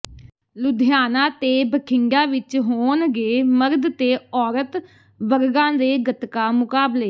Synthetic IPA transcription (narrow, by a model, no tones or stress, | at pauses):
lʊd̪ʱjaːnãːt̪eːbəkʰɪŋɡãːʋɪt͡ʃɦoːnɡeːməɾd̪t̪eːɔːɾət̪ | ʋəɾɡãːd̪eːɡət̪kaːmʊkaːbleː